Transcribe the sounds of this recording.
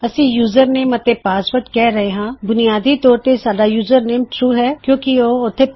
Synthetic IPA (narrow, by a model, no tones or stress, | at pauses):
əsĩːjuːzəɾneːmət̪eːpaːspəɾʈkɛːɾəɦeːɦãːbʊnijaːd̪iːt̪ɔːɾt̪esaːɖaːjuːzəɾneːmʈɾuːɦɛːkjõːkioːʊt̪ʰːeː